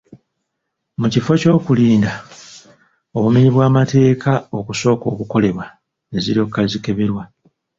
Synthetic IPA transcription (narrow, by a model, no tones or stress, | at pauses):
mucifo̞co̞ːkuliːnda | o̞βumiɲiβwaːmate̞ːkʰao̞kuso̞ːko̞ːkuko̞le̞βwa | eziɾio̞kːazike̞βe̞ɾwa